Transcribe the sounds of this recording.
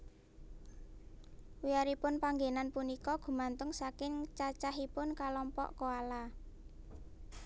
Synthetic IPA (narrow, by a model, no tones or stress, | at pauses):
wiaɾipʊnpaŋɡenanpunikɔɡ̥ṳmant̪ʊŋsakɪŋt͡ʃat͡ʃaɦipʊnkalɔmpɔ̰ʔkoala